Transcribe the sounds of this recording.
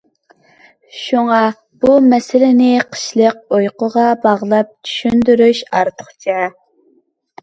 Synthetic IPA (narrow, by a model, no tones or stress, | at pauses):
ʃuŋɑ | b̥umɛsɪlɪnɪqʰə̥ʃlˠəq̚ojqəʁɑbɑʁlˠɑp̚t͡ʃʰy̥ʃynd̪yɾyʃɑɾt̪ʰə̥χt͡ʃʰɛ